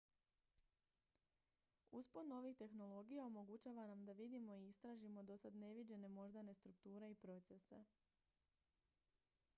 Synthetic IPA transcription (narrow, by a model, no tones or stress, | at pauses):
uspod̪no̞ʋixt̪e̞xno̞lˠo̞ɡijaomo̞ɡut͡ʃaːʋanamd̪aʋid̪imo̞iist̪ɾaːʒimo̞d̪o̞sad̪ne̞ʋid͡ʑe̞ne̞mo̞ʒd̪ane̞st̪ɾuk̚t̪uːɾe̞ipɾo̞t̪se̞se̞̰